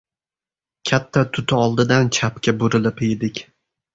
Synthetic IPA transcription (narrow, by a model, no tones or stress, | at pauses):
kʲʰat̪ʰːat̪ʰʊt̪ʰɪɒlˠd̪ɪd̪ant͡ʃʰapkʲabʊɾɪlɪpejd̪ɪkʲ